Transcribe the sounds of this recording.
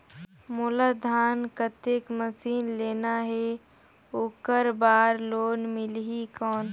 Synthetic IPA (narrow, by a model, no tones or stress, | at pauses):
mʊləd̪ʱaːnkət̪ekməsiːnleːnaɦɛ | oːkəɾbaːɾloːnmɪlɦikɔːn